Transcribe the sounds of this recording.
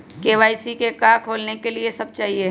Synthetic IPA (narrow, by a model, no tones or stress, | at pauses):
keːʋaːisikekaːkʰoːlnekeliesɐb̚t͡ʃaːɦie